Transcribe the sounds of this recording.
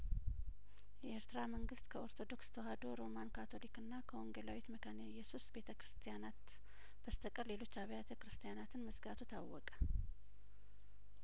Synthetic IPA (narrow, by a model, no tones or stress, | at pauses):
jɛeɾt̪ɨɾaməŋɡɨst̪kʰəo̞ɾt̪ʰo̞d̪o̞kst̪ʰəɦad̪o̞ɾo̞mankʰat̪ʰo̞likɨnːakʰəoŋɡelawit̪məkʰanjɛsusbe̞t̪ʰəkɾɨst̪ʰijanat̪ | b̥əst̪ʰəkʼəle̞lo̞t͡ʃːaβjat̪ʰəkɾɨst̪ʰijanat̪ʰɨnməsɡat̪ʰut̪ʰawːɔkʼə̥